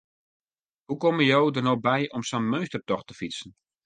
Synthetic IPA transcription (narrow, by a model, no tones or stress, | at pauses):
hukɔməjowdərnobɛjʔɔmsɔnmøɥstərtɔxtəfisən̩